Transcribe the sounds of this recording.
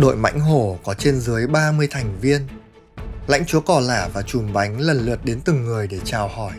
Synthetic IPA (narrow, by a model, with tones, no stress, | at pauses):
ɗo̰˧˨jma̰˧˥jŋ̟ɦo˧˩kɔ˨˦t͡ɕe˧nzɨ˨˦əjɓaː˧mɨ˧əjt̪ʰa˨˩jŋ̟vi˧ən | la̰˧˥jŋ̟t͡ɕu˨˦əkɔ˨˩laː˧˩vaː˨˩t͡ɕu˨˩mɓa˨˦jŋ̟lə˨˩nlɨ˨˩ət̚ɗe˨˦nt̪ɨ˨˩ŋːɨ˨˩əjɗe˧˩t͡ɕaː˨˩whɔ˧˩j